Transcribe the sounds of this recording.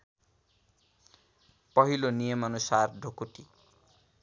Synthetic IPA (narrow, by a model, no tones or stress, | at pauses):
pʌɦilonijʌmʌnusarɖʱokuʈi